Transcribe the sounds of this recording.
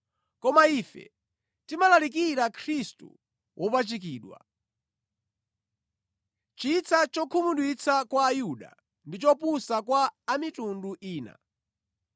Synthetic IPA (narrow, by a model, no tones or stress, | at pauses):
kɔmaifɛ̰ | timalalik̬iɾakʰɾistṵ | wʔɔpat͡ʃik̬iːɗwa̰ | t͡ʃit͡sʰat͡ʃɔkʰumuɗwit͡sʰakwaːjuɗa̰ | ndit͡ʃɔpusakwaːmitunduʔiːna̰